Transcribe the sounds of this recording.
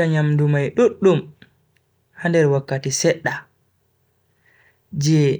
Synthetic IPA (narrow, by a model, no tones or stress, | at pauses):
aɲamdumajɗuɗːum | handɛɾwakːatisɛɗːa | d͡ʒɛ